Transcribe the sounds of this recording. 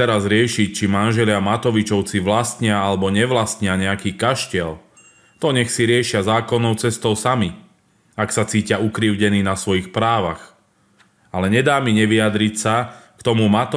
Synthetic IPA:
ɛɾazɾɪɛʃic̚t͡ʃimanʒɛlɪamat̪ɔʋit͡ʃɔʊt͡siʋlast̪ɲɪaalɛbɔɲɛʋlast̪ɲɪaɲɛakiːkaʃcɛl | t̪ɔɲɛxsiɾɪɛʃɪazaːkɔnːɔʊt͡sɛst̪ɔʊsami | aksat͡siːcɪaukɾiʊɟɛniːnasʋɔjixpɾaːʋax | alɛɲɛd̪aːmiɲɛʋiad̪ɾicsakt̪ɔmumat̪ɔ

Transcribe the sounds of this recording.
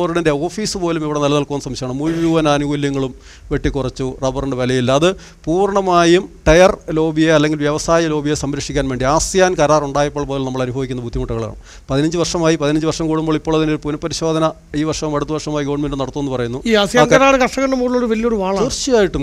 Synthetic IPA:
rɽɐnde̞o̞ːfiːsɨpo̞ːlumiʋiɽe̞nɐlːɐnɐlkuʋɐnːsɐmiɕɐaɳɨmulijuːʋɐnaːnuɣoljɐŋːɐɭum | ʋe̞ʈːikːurɐt͡ɕːurebɐrɐɳɖɨʋɐlɐjilːɐːðɨ | puːɾɐɳɐmaːjumʈɐjɐrlo̞ːbijeɐlːe̞ŋɡilʋjɐʋɐsaːjɐlo̞ːbʱijesɐmɾɐʂikʲːaːnʋeːɳɖiaːsjaːnkɐɾaːruɳɖaːjɐpːoːɭpo̞ːlulnɐmːɐɭɐnubʱɐʋikʲːunːɐbʱud̪ʱjimuʈːɐɣɐɭa̰ːɳṵm | pɐðinɐɲd͡ʑɨʋɐrʂɐmaːjipɐðinɐɲd͡ʑɨʋɐrʂɐmkuːɽumboːɭipːoːɭɐðindeɾupunɐpːɐɾiɕo̞ːd̪ʱɐnɐ | iːʋɐrʂɐmmɐɽut̪ːuʋɐrʂɐmaːjiɡo̞ːɳmendumnɐɽɐt̪ːuːenːɨpɐrɐjunːuiaːsjaːnkɐɾaːɽɨkɐʂʈːɐkːɐɳɖɐmuːɽiɭoːɽuʋɐlijoɾuʋaːɭɐirt͡ɕːijaːjiʈːu

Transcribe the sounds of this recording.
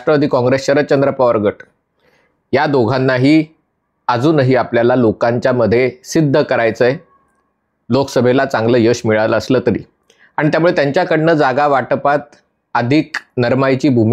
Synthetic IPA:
aʂʈɾəʋad̪ʱiːkɔ̃ŋɡɾesɕəɾət̪̚t͡ɕənd̪ɾəpaʋəɾɡəʈ | jad̪oɡʱanːaɦiː | əd͡zuːnəɦiːapljalalokaɲt͡ɕjaməd̪ʱːjesid̪ʱːəkəɾajt͡səje | lokə̥səbʱelat͡sãŋɡləːjəɕmiɭaləːsləːt̪əɾḭː | aɽ̃it̪jamuɭet̪jaɲt͡ɕjakəɽɳəːd͡zaɡaʋaʈpat̪̚ | əd̪ʱiːknəɾmajt͡ɕiːbʱum

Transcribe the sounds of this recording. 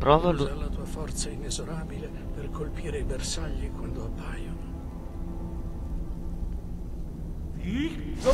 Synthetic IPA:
pɾɔːvaalːat̪uːafɔrt̪sainezoɾaːbile | perkʰolpiːɾeibersaʎːikwand̪oapːaːjono

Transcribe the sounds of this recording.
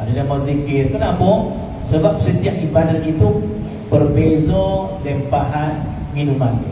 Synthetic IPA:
adəlamazikɪt̪̚kənapɔ | səbap̚sət̪iaʔ̚ʔibadat̪it̪u | bərbezɔ | dɛmpaɦan | ŋinuman

